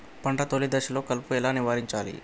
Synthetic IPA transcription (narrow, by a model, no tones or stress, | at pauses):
pɐɳʈɐt̪olid̪ɐʃɐlo̞ːkɐlpuɛlaːniʋaːɾiɲt͡ʃaːlḭ